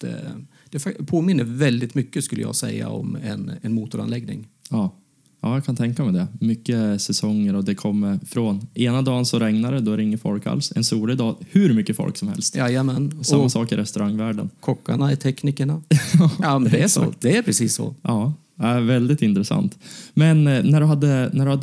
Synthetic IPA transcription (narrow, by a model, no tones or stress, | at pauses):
d̪̥ɛæfapʰoːmɪnːəvɛld̪ɪt̪mʏkːəskɵlːəjɑ̰ːɡsɛ̰jːa̰ɔ̰mɛnɛnmuːt̪ʊɾa̰nlɛɡnɪ̰ŋɑː | ɑːjaːkʰant̪ʰɛŋkamɛd̪ɛmʏkːəsɛsɔŋːəɾɔd̪ɛkʰɔmːəɾfɾoːneːnad̪ɑːnsɔɾɛŋnaɾəd̪ɔɾɪŋːəɾfɔ̰lka̰lsɛnsuːlɪd̪ɑːhʉɾmʏkːəfɔ̰lksɔmhɛ̰lst̪ːjɛmɛnɔsamːasɑːkɪɾɛst̪ɵɾaŋːvæːɖənkʰɔkːaɳaɪt̪ʰɛkniːkəɳaɑːjɑmɛnd̪ɛæsʂɔ̰d̪̥ɛæɾpʰɾɛsiːsːɔ̰ɑː | ævɛld̪ɪt̪ɪnt̪ɾɛsa̰nt̪mɛnːæɖɵɦad̪ːənæɖɵhad̪ː